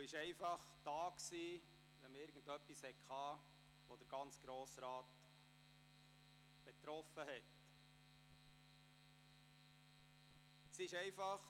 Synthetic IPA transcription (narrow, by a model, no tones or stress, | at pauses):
uɪʃɛɪfɑχd̥ɑːksiː | ʋɛmɪɾɡən̩dœpːishɛkʰɑː | ʋɔd̥̪əɾɡ̥ɑnt͡sɡ̥ɾoːsɾɑːt | b̥et̪ɾɔfəhɛt | sɪʃɛɪfɑχ